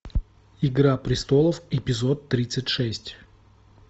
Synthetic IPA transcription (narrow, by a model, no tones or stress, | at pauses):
ɪɡɾapɾʲɪst̪o̞lˠəfɪpʲɪzo̞t̪ːɾʲit̪sɨtʲʂɛsʲtʲ